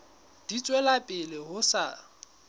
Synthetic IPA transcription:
d̥it͡sʼwɛlapʼɪlɪɦʊsa

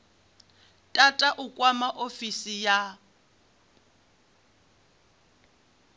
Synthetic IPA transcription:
tʼatʼaʔʊkʼwamaʔofisija

